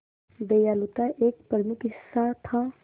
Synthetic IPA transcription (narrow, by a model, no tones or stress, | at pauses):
d̪ejaːlut̪aʔeːk̚pɾəmukisat̪ʰã